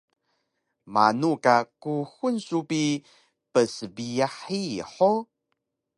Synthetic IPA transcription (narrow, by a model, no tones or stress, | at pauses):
ma̰nukakuxunsupi | pəsəbiaħiħo